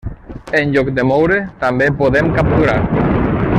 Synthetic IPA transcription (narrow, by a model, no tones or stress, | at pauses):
enʎokd̪emowɾet̪ambepoðemkap̚t̪uɾaɾ